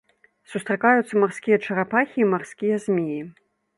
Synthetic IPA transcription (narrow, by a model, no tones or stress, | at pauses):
sust̪ɾakajut̪sːɐmarskʲijɛt͡ʂɐɾapaxʲiːmarskʲijɐzʲmʲiji